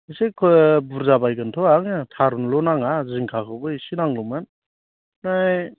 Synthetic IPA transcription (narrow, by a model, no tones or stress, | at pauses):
isekʰɔbuɾzabajɡɯntʰɔaŋɯtʰaɾunlɔnaŋaziŋkʰakʰɯbɯjsinaŋlɔman | naj